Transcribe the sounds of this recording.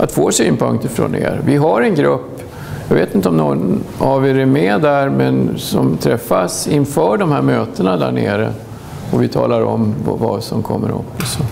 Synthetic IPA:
ʔat̪foːʂɛɪnpʰɵŋkt̪ɪfɾoːnḛːɾvɪɦaɾɛnɡɾɵpː | jɑːɡveːt̪ɪnt̪əɔmnɔaveɾæmed̪æɾmɛnsɔmt̪ʰɾɛfːasɪnfœːɖɔmhæɾmøːt̪ənad̪æɳeːɾə | ɔvɪt̪ʰɑːlaɾɔmvvasɔmkʰɔmːəɾɵ̰pːsɔ

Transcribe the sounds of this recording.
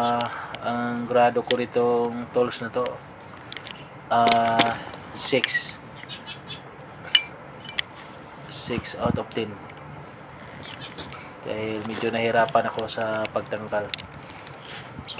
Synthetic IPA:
ɐŋɡɾaːd̪okoɾɪt̪oŋt̪olsnɐt̪o̞ | ʔa | sɪks | sɪksawt̪op̚t̪ɪn | d̪̥a̰ːhɪlmɛd͡ʒonɐhɪɾaːpɐnɐko̞sɐpɐɡ̚t̪ɐŋɡal

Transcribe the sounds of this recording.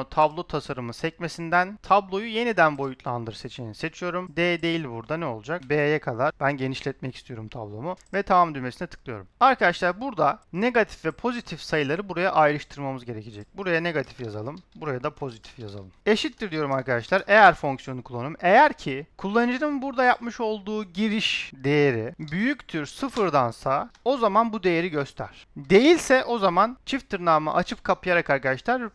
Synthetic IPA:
t̪ʰablˠo̞t̪ʰasaɾɯmɯsɛcme̞sind̪ænt̪ʰablˠo̞juje̞nid̪ænbo̞jut̪lˠand̪ɯɾse̞t͡ʃmejinise̞t͡ʃʰijo̞ɾumd̪eːd̪e̞jilʲbuɾd̪anɛo̞lˠud͡ʒakbeajɛkʰad̪ˠaɾbænɟe̞niʃlʲɛt̪̚mɛci̥st̪ʰijo̞ɾumt̪ʰa̰blˠo̞muvɛt̪ʰamamd̪ymesinit̪ʰɯ̥klˠɯjo̞ɾumaɾkʰad̪aʃlˠaɾbuɾd̪ane̞ɡat̪ʰi̥fvɛpʰo̞zit̪ʰifsajɯlˠaɾɯbuɾajaʔajɾɯʃt̪ʰɯɾmamɯzɟe̞ɾe̞cʰid͡ʒɛc̚buɾajane̞ɡat̪ʰi̥fjazalˠɯmbuɾajad̪apʰo̞zit̪ʰi̥fjaza̰lˠɯme̞ʃit̪ːiɾd̪ijo̞ɾumaɾkad̪aʃlˠaɾe̞jæɾfo̞ŋksjo̞nukʰulˠanume̞jæɾcʰikʰulˠːanɯd͡ʒɯnɯnbuɾd̪ajap̚mɯʃo̞lˠd̪uːɟiɾiʃd̪e̞je̞ɾibyjyct̪ʰyɾsɯfɯɾd̪ansao̞zamanbud̪e̞jeɾiɟøst̪ʰæ̰ɾ̥d̪e̞jilʲsɛʔo̞zamant͡ʃʰift̪ʰɯɾnaːmɯ̰ʔat͡ʃʰɯp̚kʰapʰɯjaɾakaɾkad̪aʃlˠaɾ

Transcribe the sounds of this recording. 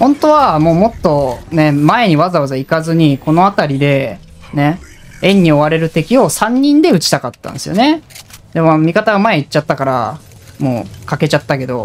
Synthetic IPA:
hõ̞nt̪o̞βamo̞ːmo̞t̪ːo̞ne̞mae̞ɲ̟iβazaβazaikazɨɲ̟iko̞no̞at̪aɾʲid̪e̞ | ne̞ | ẽ̞ɲ̟ːio̞βaɾe̞ɾɯ̟t̪e̞kʲio̞sãɲ̟ːĩnd̪e̞ɯ̟t͡ɕi̥t̪akat̪ːã̰nd̪esɨjo̞̰ne̞d̪e̞momʲikat̪aɡamae̞it͡ɕːat̪ːakaɾa̰ | moːkake̞t͡ɕat̪ːake̞d̪o̞̰

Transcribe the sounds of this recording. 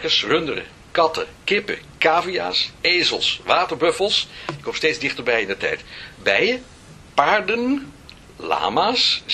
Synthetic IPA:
kəsrɵndərə̰ | kɑtə̰kɪpə̰kaːvia̰ːsejzəlˠsʋaːtəɹbɵfəlˠsɪkʰːomstejdzdɪχtəɹbɛjɪndətɛ̰jtbɛjə | paːɹdən | la̰ːmaːs

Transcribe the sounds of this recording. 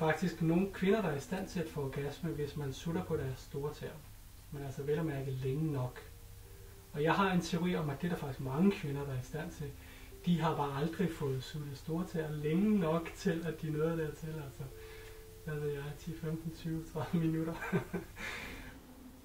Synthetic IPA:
fɑ̈ɡ̥̚d̥isɡ̥no̝ːn̩kʰʋe̝nɐɾɑ̈æɐisd̥æn̰t͡sʰe̝læd̥fɔɒɡ̥æsməʋe̝smænsuɾ̥ɐpʰɒ̽ɾ̥æɐsːd̥o̝ːɐt͡sʰɛ̰ɐ̰ | menælsɐʋelæmæɐɡ̥əðˠleŋənɒ̽ɡ̥ | ɒ̽jɑ̈ɪɦɑ̈e̝nt͡sʰe̝oʁḭːɒ̽mæd̥e̝dɑɐfɑ̈ɡ̥isɡ̥mɑ̈ŋəkʰʋe̝nɐd̥ɑ̈æɐisd̥æn̰t͡sʰe̝l | d̥iɦɑ̈b̥ɑ̈ːɑ̈ld̥ʁifɔ̽ːð̩ˠsud̥əsd̥o̝ːɐt͡sʰɛɐ̰leŋənɒ̽ɡ̥t͡sʰe̝læd̥inɔ̽ːðˠd̥eɐt͡sʰe̝lælsɒ | ʋæʋe̝ð̰ˠjɑ̈ɪt͡sʰḭfemd̥n̩t͡sʰyːʊt͡sʰʁɑ̈əminuɾ̥ɐ

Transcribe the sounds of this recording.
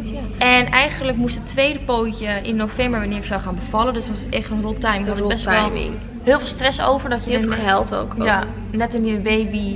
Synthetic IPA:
ɛnɛjɣəndləkmustətʰːʋejdəpowcəɪnːowfɛmbəɹʋanɪːɹɪksawχaːnbəvɑləndøsʋɔsətɛχtənrolˠtajmɦlˠɪbɛstɛlˠmɪ̰ | hɪːlˠfɪlˠstrɛso̰wvəɹdɔtjəɦɛlˠto̰kja | nɛtɪnjəbejbi

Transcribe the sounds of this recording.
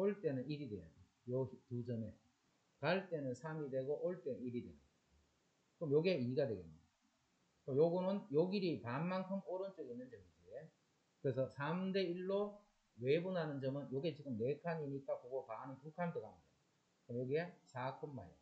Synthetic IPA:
oɭt͈e̞nɯniɾidwe̞̰jan | jotud͡ʑʌne | kaɭt͈e̞nɯnsʰamidwe̞ɡoʔoɭt͈e̞nɯniɾidwe̞̰ɯn | kɯmjoɡieiɡadwe̞ɡeida | t͈ojoɡonɯnjoɡiɾipanmankʰɯmoɾʌnt͡ɕ͈ʌɡiinːɯnd͡ʑʌŋid͡ʑie | kɯɾe̞s̬ʰʌsʰamde̞iɭːo | we̞bunɦanɯnd͡ʑʌmɯnjoɡet͡ɕiɡɯmne̞kʰaɲiɲik͈apoɡopanipukʰandoɡanda | ʌmjoɡiesʰakʰɯmːa̰e

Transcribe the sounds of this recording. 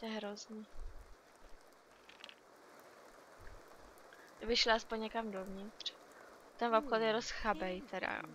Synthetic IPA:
ɛɦɾozɲi | dɪbɪxʃlaspoɲɲɛkamdovɲɪt̪r̥ | t̪ɛnvopxot̪jɛɾosxabɛjt̪ʰɛda̰

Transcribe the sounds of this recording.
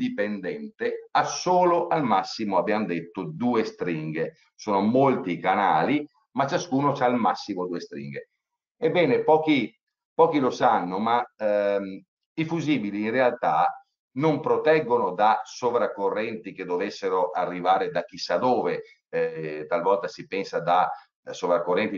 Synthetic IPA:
d̪ipend̪ɛnt̪easoːloʔalmasːimoabːjand̪et̪ːod̪uːest̪ɾiŋɡe | soːnomolt̪ikanaːli | mat͡ʃːaskuːnot͡ʃalmasːimod̪uːest̪ɾḭŋɡe | ebːɛːnepɔːki | pɔːkilosanːoma | ifuziːbiliːnrealt̪a | nompɾot̪ɛɡːonod̪asovɾakːorːɛnt̪iked̪ːovesːeɾoʔarːivaːɾed̪ak̟ːisːad̪oːve | t̪alvɔlt̪asipɛnsad̪a | sovɾakːorːɛnt̪i

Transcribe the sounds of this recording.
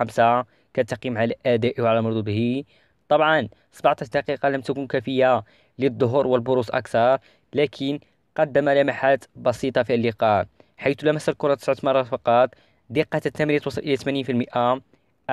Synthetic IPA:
msa | kæt̪ːɑqimʕalæʔæd̪æʔwʕalæmʊɾd̪ud̪hi | t̪ˤɑbʕɑn | sbaʕt̪æʃd̪ɑqiqɑləmt̪ækunkæfəjːa | lid̪ˤːoɦʊɾˤwəlbʊɾusˤʔɑ̰kt̪ɑɾˤ | lækʰən | qɑd̪ːəmælæmaħat̪bɑsit̪ˤɑfiəlːiqɑ | ħajt̪læmæsːəlkʊɾˤɑt̪ə̥sʕt̪mɑrˤːɑfɑqɑt̪ˤ | d̪iqːɑt̪ət̪ːæmɾit̪wɑsˤːɑlʔəlːæt̪mæninfilməʔa

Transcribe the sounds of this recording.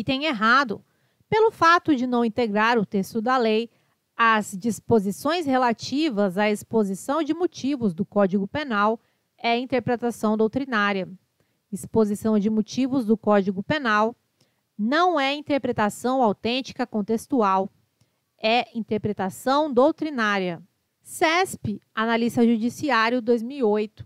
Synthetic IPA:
ɪt̪ẽj̃eɦad̪ʊ | pelʊfat̪ʊd͡ʒɪnɐ̃w̃ĩt̪eɡɾaɾʊt̪est̪ʊd̪ɐlej | ɐzd͡ʒispozisõj̃shelat͡ʃivɐzaespozisɐ̃w̃d͡ʒɪmot͡ʃivʊzd̪ʊkɔd͡ʒiɡʊpenaw | ɛĩnt̪eɾpɾet̪asɐ̃w̃d̪owt̪ɾinaɾjɐ | ɪspozisɐ̃w̃d͡ʒɪmot͡ʃivʊzd̪ʊkɔd͡ʒiɡʊpenaw | nɐ̃w̃ɛĩt̪eɾpɾet̪asɐ̃w̃awt̪ẽnt͡ʃi̥kɐkõt̪est̪uaw | ɛĩt̪eɾpɾet̪asɐ̃w̃d̪owt̪ɾinaɾiɐ | sɛspɪanalist̪ɐʒud͡ʒisiaɾjʊd̪ojzmiwiojt̪ʊ̥

